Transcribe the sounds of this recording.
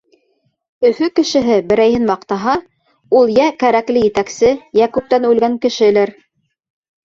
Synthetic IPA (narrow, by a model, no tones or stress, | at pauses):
ɵ̆fɵkɘ̆ʃɘ̆ɦɘbɘ̆ɾæjhɘnmɑqt̪ɑɦɑ | ulˠjækæɾæklɘjɘ̆t̪æksɘjækʉp̚t̪ænʉlɡæŋkɘ̆ʃɘ̆læɾ